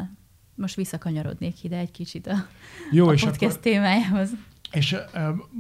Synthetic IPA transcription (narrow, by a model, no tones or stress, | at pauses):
l | mo̞ʃt̪ʋisːɒkɒɲɒɾo̰d̪neːkid̪ɛːɟkit͡ʃit̪ɒjoːeːʃpot̪kɛst̪ːeːmaːjaːɦo̞z | eʃ